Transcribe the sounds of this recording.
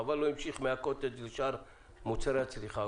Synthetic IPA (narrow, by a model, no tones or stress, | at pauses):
avalɔimʃiχmɛakʰɔt̪ʼɛd̪ilʃaɾ | mut̪sʰɛɾat͡sʰliχa